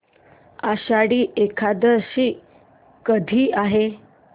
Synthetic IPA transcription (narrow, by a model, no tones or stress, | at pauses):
aɕaɽiːʔekʰad̪əɾɕiː | kəd̪ʱiːaɦe